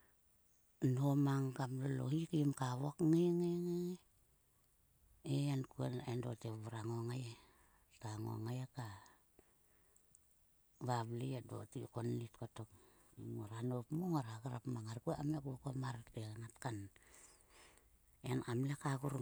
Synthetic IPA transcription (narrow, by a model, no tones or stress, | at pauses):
nomaŋkamlolo̰hikamkaβokŋeŋeŋeŋe | eankuanendoteβuɾaŋoŋaja | taŋo̰ŋajaka | βaβliado̰tikonlitkotok | moɾanopmoŋoɾaɡaɾapmaŋaɾkuaamlekuokomaɾateŋatkan | enamlekaɡuɾ